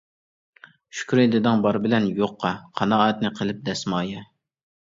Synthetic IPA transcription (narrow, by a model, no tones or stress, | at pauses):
ʃy̥kʲyɾed̪ɪd̪ɨŋbɑɾbɪlɛnjoqːɑqʰɑnɑːɛt̪̚nɪqʰəlˠɪp̚d̪ɛsmɑːjɛ